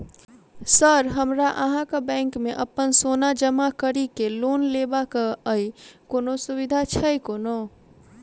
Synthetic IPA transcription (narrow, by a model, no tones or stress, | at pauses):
səɾɦəmɾaʔəɦãkəbɛ̃ŋkmeʔəpːənsonad͡ʒəmakəɾikelonlebakəəjkonosuβid̪ʱat͡ʃʰəjkono